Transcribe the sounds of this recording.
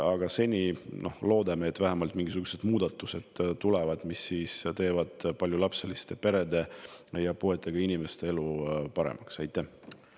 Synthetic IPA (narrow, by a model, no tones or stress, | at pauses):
ɑɡ̥ɑse̞nʲinʔo̞̰hlo̞ːd̪ɑmeet̪ːˑvæɦæmɑlt̪ˑmiŋɡis̬uɡ̥use̞d̪̥muːd̪̥ɑt̪ːˑuse̞d̪̥t̪ulevɑd̪̥misːiːst̪e̞ːvɑd̪̥pɑljulɑpse̞list̪e̞pe̞ɾe̞d̪e̞jɑpue̞t̪ːˑe̞ɡ̥ɑinime̞st̪e̞e̞lupɑɾḛmɑksɑjt̪ːˑæh